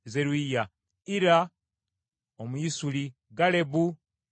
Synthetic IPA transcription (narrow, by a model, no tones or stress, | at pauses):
zeɾwija | iɾa | omuisuli | ɡale̞bu